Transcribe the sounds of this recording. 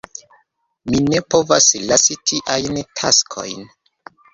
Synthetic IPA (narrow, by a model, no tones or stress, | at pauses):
mine̞po̞vaslasitʰiʔajntʰaskʰo̞̰jn